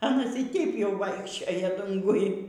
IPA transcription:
ɐˈnɐs iː ˈtʲɛɪp jɛʊ ˈʋɐɪkʃʲt͡ʃʲoːjɛ ˈdʊŋɡʊj

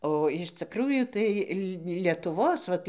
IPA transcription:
oː ɪʃ t͡sʲɪˈkruːjuː ˈtɐɪ lʲɪ lʲiɛtʊˈʋoːs ʋɐt

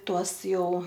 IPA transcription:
ˈtuɔs ˈjɛʊ

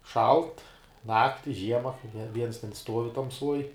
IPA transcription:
ˈʃɐlˠt ˈnɑːktʲɪ ˈʒʲiɛmɐ nʲɛ ˈʋʲiɛns tʲɛn ˈstuɔʋʲɪ tɐmˈsuɔj

